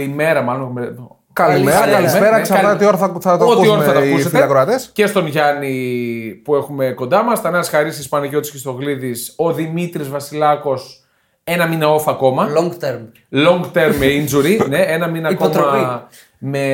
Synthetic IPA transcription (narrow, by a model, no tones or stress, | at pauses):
ime̞ɾɐmɐlo̞nme | kɐlieɾɐɐlimeɾɐksɐnɐot̪ioɾɐθɐt̪otsioɾɐθɐtɐussefilɐkɾoɐt̪esce̞st̪o̞nʝɐnipuexume̞ko̞nd̪ɐmɐstɐnɐsxɐɾist̪ispɐnɐʝo̞t̪i̥scist̪o̞ɣliðiso̞ðimit̪ɾizvɐsilɐko̞s | e̞nɐminɐo̞fɐːko̞mɐloŋɡt̪eɾm | lo̞ŋɡt̪eɾmmeind͡ʒuɾine̞enɐminɐːkomtɾɐ | me̞